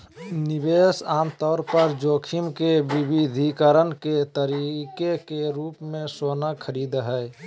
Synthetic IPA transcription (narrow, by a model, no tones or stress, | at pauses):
nibesaːmt̪ɔːɾpəɾd͡ʒokʰimkebibid̪ʱikəɾənket̪əɾikekeɾuːpmẽsonakʰəɾid̪ɦə